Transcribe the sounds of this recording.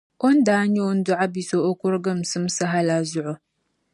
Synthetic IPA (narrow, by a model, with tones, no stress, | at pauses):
ʔo˦nda˨˦ɲo˦wn˦dʊ˦ʕa˦bi˨so˨ʔo˦kʷʊ˦ɾɡɐ˦msɨ˦msɨ˦ɦa˦la˨zʊ˦ʔʊ˨